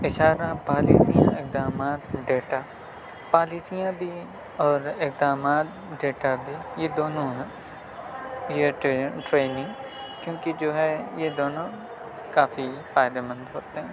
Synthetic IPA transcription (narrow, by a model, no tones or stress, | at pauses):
ɪʃaːɾapaːlḭːsijã̰ɪk̚d̪aːmaːt̪ɖeːʈa | paːliːsijãbʱi | ɔːɾɪk̚d̪aːmaːt̪̚ | ɖeːʈabʱijed̪oːnõɦɛ | jeʈɾeːnɪ̃ŋɡ | kjõːkid͡ʒoːɦɛjed̪oːnõ | kaːfifaːɪd̪emɐ̃nd̪ɦoːt̪eɦɛ̃ː